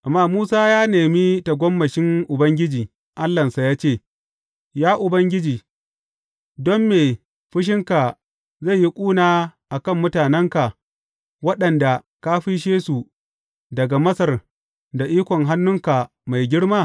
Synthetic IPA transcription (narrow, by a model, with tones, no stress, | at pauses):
ʔa˨mːaː˦muː˦saː˦jaː˦neː˨mi˦ta˨ɡʷɔ˦mːɐ˨ʃɪ˦ŋʔʊ˨bɐ˦ŋɡʲɪ˦d͡ʒiː˨ | ʔa˦lːɐ˨nsa˨jaː˦t͡ʃeː˦˨ | jaː˦ʔʊ˨bɐ˦ŋɡʲɪ˦d͡ʒiː˨ | dɔ˦mːeː˨ | ɸɪ˦ʃ̬ɪ˦ŋka˨ | za˦˨ji˦kʷʼuː˦naː˦ʔa˨kɐ˦˨mːʊ˦taː˨nɛ˦ŋka˨ | wɐ˦ɗɐ˨nda˨ | ka˦ɸi˦ʃ̬eː˦su˨ | dɐ˨ɡa˨mɐ˦sɐ˨r | da˨ʔiː˦kʷɔ˨ŋɦa˦nːʊ˦ŋka˨ | ma˨jɡʲɪ˦ɽmaː˦˨